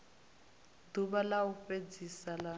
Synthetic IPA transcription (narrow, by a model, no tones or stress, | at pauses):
duβalauɸed͡zisala